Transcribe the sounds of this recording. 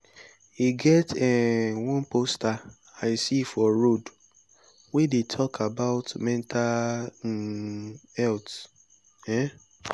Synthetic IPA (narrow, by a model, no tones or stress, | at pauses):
iɡɛtɛwɔ̃nposta | aɪsifɔɾod | wedetʰɔkʰabaʊtmɛ̃ntʰa | ɛlt | ɛ